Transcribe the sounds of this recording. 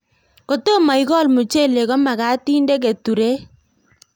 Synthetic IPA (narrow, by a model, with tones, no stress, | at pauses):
ko˨to˦ma˨i˦kɔ˦˨lmu˨t͡ʃe˦˨le˨kɔ˦ma˨ka˨˦tiː˦nde˦k̬e˨tu˨ɾe˦